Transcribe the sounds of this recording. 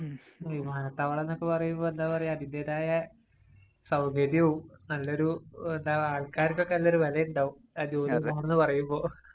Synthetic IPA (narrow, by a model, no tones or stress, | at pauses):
ʋimaːnɐt̪ːaːʋɐɭenːo̞kːe̞pɐrɐjumboːe̞nd̪aːpɐrɐjumɐðindeːðaːjɐ | sɐwɡɐdjɐʋumnɐlːɐo̞ɾuend̪aaːɭkaːɾikʲːokːenɐlːo̞ɾuʋɐlɐjɐuɳɖaːʋum | aːt͡ɕoːdiaːɳenːɨpɐrɐjumbo̞ː